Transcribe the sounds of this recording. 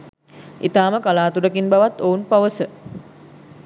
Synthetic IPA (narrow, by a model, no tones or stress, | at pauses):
ʔit̪aːməkalaːt̪uɾəkinbaʋat̪ːounpaʋəsə